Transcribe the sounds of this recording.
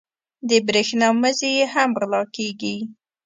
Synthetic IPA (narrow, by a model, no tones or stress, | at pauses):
d̪əbɾexnɑməzejeɦamɣlɑkeɡi